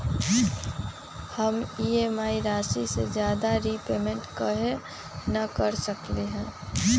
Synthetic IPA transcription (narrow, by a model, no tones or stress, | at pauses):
həmieːmaːiɾaːsisḛd͡ʒjaːd̪aɾipeːmẽɳʈkəɦe | nəkəɾsəkleɦɛ̃ː